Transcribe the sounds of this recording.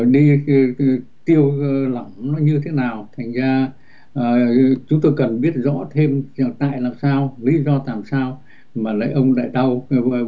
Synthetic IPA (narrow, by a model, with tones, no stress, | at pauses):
ɗi˧ | t̪i˧əwla˧˩mnɔ˨˦ɲɨ˧t̪ʰe˨˦naː˨˩wt̪ʰa˨˩ŋ̟zaː˧ | ʔəː˨˩t͡ɕʊ˨˦ŋ͡mt̪o˧jkə˨˩nɓi˦˥ət̚zɔ̰˧˥t̪ʰe˧mza˧˨˩t̪a̰ː˧˨jlaː˨˩msaː˧wlḭ˧˥zɔ˧t̪aː˨˩msaː˧w | maː˨˩la̰ː˧˥˦ʔə˧wŋ͡mɗa̰ː˧˨jɗa˧w